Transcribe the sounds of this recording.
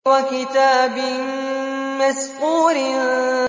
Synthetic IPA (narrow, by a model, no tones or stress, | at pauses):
wakɪt̪aːbɪ | masquːɾɪ